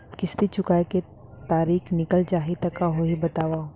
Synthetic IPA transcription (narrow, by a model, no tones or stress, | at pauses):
kɪst̪it͡ʃʊkaːeke | t̪aːɾiːxnɪkəlt͡ʃaːɦit̪ɐkaɦoɦibɐt̪aːʋa